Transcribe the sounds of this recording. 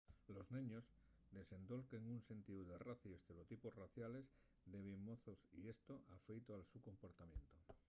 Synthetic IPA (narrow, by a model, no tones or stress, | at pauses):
lozneɲoz | d̪e̞se̞nd̪o̞lkeŋunse̞nt̪iuðeraθiest̪e̞ɾeot̪iposraθjale̞z | d̪eβemmoθosḭe̞st̪oʔafejt̪oalsuko̞mpo̞ɾt̪amjẽ̞nt̪o